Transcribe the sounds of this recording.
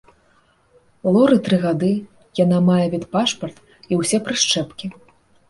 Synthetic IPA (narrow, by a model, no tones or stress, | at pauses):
lˠɔɾɨt̪ɾɨɣad̪ɨ | jan̪amajɛvʲit̪paʂpɐrt̪ | iwsʲɛpɾɨʂt͡ʂɛpkʲi